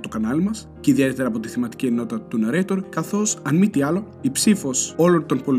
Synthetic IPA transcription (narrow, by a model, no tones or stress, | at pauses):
t̪ukɐnɐlimɐs | ciðie̞t̪et̪eɾɐːpo̞t̪iθimɐt̪i̥cieno̞t̪ɐt̪unɐɾet̪oɾkɐθo̞sɐnmit̪iɐlo̞ | ipsifo̞so̞lo̞nt̪o̞npo̞l